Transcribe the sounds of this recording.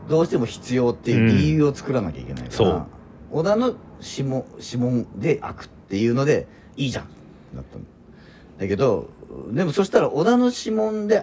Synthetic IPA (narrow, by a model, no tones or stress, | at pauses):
d̪o̞ːɕi̥t̪e̞mo̞çi̥t͡sɨjo̞ːt̪ːe̞jɯ̟ːɾʲijɯ̟ːo̞t͡sɨ̥kɯ̟ɾanakʲa̰ḭkʲe̞na̰ḭkoa̰ | od̪ano̞ɕimõɕimõ̞nd̪e̞ʔa̰kɯ̟̥t̪ːe̞jɯ̟ːno̞d̪e̞ | iːʑã̰n | a̰t̪ːan | d̪ake̞d̪o̞d̪e̞mo̞so̞ɕi̥t̪aɾaʔod̪ano̞ɕimõ̞nd̪e̞